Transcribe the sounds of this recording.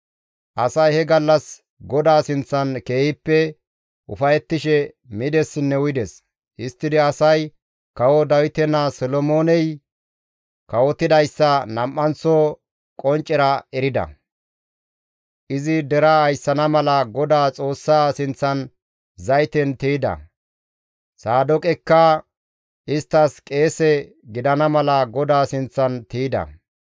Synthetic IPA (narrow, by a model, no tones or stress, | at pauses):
ʔɐsɐjhɛɡɐlːɐs | ɡɔd̪aːsɪnt͡sːɐnke̞ːhɪpːɛ | ʔʊfɐjɛt̪ːɪʃɛ | mɪd̪ɛsːɪnːɛwʊjɪd̪ɛs | ʔɪst̪ːɪd̪ɪɐsɐj | kɐwɔd̪ɐwɪt̪ɛnasɔlɔmoːnɛj | kɐwɔt̪ːɪd̪ɐjsːɐnɐmʔːɐnt͡so | kʼɔnt͡ʃʼːɛɾɐɛɾɪd̪ɐ̰ | ʔɪzɪd̪ɛɾɐɐjsːɐnɐmɐlɐɡɔd̪aːt͡sʼo̞ːsːaːsɪnt͡sːɐn | zɐjɪt̪ɛnt̪iːd̪ɐ̰ | saːd̪ɔkʼɛkːɐ | ʔɪst̪ːɐskʼe̞ːsɛ | ɡɪd̪ɐnɐmɐlɐɡɔd̪aːsɪnt͡sːɐnt̪iːd̪ɐ̰